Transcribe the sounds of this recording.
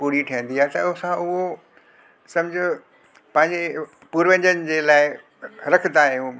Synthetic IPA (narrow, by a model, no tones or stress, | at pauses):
puɽiʈʰiːə̃n̆d̪iaːet̪ɐʊsãʊɦo | sɐ̃md͡ʑʱɪ̆ | pɐ̃ɦɪ̃ɲd͡ʑe | puːɾʋə̃ɲd͡ʑənɪ̆d͡ʑeːlaːɪ | ɾɐkʰət̪aːɦɪj̃u